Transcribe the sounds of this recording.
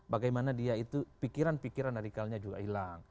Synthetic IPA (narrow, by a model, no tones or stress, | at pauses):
baɡajmanadiait̪upikiɾanpikiɾandaɾikalɲad͡ʒuɡa̰ilaŋ